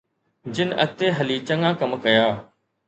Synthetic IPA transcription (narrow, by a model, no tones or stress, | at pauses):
d͡ʑɪnʔɐt̪eːɦɐliːt͡ɕɐŋɡãːkɐmkɐjaː